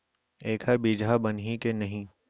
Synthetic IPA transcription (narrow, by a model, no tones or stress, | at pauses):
eːkʰɦəɾbiːd͡ʒʱabɐnɦikenɐɦĩ